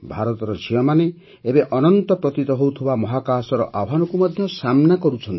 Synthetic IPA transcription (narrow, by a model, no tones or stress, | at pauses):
bʱaɾɔt̪ɔɾɔd͡ʒʱiɔmane | ebeʔɔnɔnt̪ɔpɾɔt̪it̪ɔɦowt̪ʰibamɔɦakaːsɔɾɔ̰ʔaɦanɔkumɔd̪ʱjɔsamnakɔɾut͡ʃʰɔnt̪i